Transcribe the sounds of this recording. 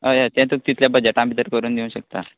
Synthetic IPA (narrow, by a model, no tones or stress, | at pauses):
əjat̪ɛ̃t̪uk̚t̪it̪ljabəd͡ʑeʈãmbʱit̪əɾkəɾuːnd̪eũɕək̚t̪a̰